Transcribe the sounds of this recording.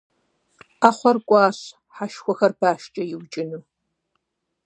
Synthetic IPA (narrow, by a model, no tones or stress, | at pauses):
aːχʷɔrkʷʼɑːɕ | ħaʃxʷɔxɐrbaːʃt͡ʃʼɐjɪwt͡ʃʼɪnuː